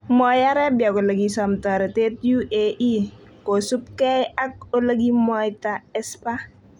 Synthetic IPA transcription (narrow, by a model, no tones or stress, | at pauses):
mɔjaɾɛbjakoləɡisɔmtɔɾɛtetjuʔeʔi | kosup̚kɛjak̚ɔləɡimɔjtaɛspa